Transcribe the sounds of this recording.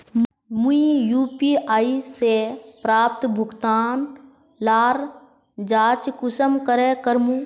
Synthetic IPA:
mũijuːpiːaːisepɾaːp̚t̪bʱʊɡt̪aːn | laːɾ | d͡ʒaːt͡ʃkʊsəmkəɾeːkəɾmũ

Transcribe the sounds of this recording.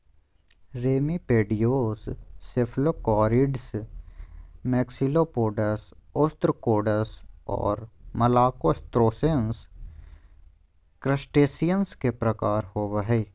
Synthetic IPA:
ɾeːmipeːɖijoːsːɪpʰlokɔːɾɪɖs | mɛːksiloːpoːɖəsʊst̪ɾkoːɖəsɔ̰ːɾmɐlaːkost̪ɾoːsens | kɾəsʈeːsijənskepɾɐkaːɾhoːʋəɦɛː

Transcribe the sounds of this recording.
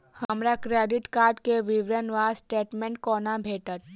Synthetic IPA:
həmɾakɾeːɖɪʈkaːɾɖkeʋɪʋɾənʋaːsʈeːʈmɛ̃ɳʈkɔːnabʱeːʈət̪̚

